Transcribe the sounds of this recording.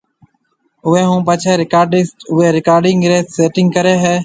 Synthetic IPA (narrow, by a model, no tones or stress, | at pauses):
ʊʋeːɦũːpət͡ʃʰeːɾɪkaːɾɖɪsʈʊɦeːɾɪkaːɾɖɪ̃ŋɡɾeːt̪seːʈɪ̃ŋɡkəɾeːɦeː